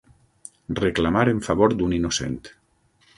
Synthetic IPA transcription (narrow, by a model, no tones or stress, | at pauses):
reklamaɾeɱfaβoɾd̪uninosḛnt̪